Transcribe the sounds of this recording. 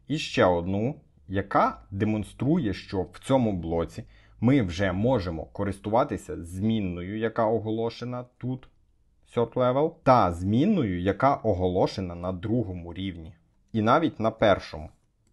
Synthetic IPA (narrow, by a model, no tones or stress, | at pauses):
iʃt͡ʃɛɔd̪nu | jɐkɑd̪emɔnst̪ɾujɛʃt͡ʃɔwt͡sʲɔmʊblˠɔt͡sʲi | mɪwʒɛmɔʒemɔ̰kɔɾɪst̪ʊʋɑt̪ɪsʲɐzʲmʲinːɔjʊjɐkɑɔɦɔlˠɔʃenɐt̪ut̪ | sʲɔrt̪lˠɛʋelˠt̪ɐzʲmʲinːɔjʊjɐkɑʔɔɦɔlˠɔʃenɐnɐd̪ɾuɦɔmʊɾʲiwnʲi | inɑʋʲitʲnɐpɛrʃɔmʊ